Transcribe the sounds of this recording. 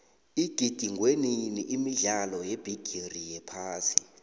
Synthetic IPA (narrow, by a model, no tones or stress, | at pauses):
iɡ̥ʱid̥ʱiŋweniniʔimiɮalɔjeb̥ʱiɡ̥ʱirijɛpʰaːsi